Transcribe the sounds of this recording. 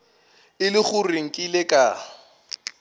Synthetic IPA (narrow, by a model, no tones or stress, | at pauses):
ɪlɪχʊriŋ̩kʼɪlɪkʼa